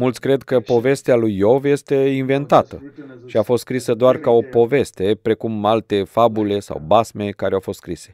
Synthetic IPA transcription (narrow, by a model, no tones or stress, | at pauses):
mult̪sʲkɾe̞d̪kəpo̞ve̞st̪ealujːo̞vje̞st̪e̞inve̞nt̪at̪əʃiafost̪skɾisəd̪oarkao̞po̞ve̞st̪e̞pɾe̞kumalt̪e̞fabule̞sa̰wbasme̞kaɾeawfo̞st̪skɾise̞̥